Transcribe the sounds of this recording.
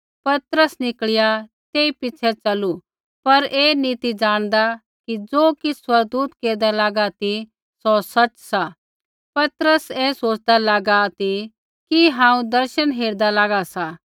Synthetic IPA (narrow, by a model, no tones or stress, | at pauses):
pɐt̪ɾəsnɪkɭɪjat̪eːipɪt͡ʃʰɛt͡sɐlu | pɐɾeːnit̪id͡ʒaːɽ̃d̪a | kid͡zoːkiswɐɾɡ̚d̪uːt̪keːɾd̪alaːɡat̪i | sɔsɐt͡ʃsa | pɐt̪ɾəseːsoːt͡ʃd̪alaːɡat̪i | kiɦãːũd̪ɐɾʃənɦeːɾd̪alaːɡasa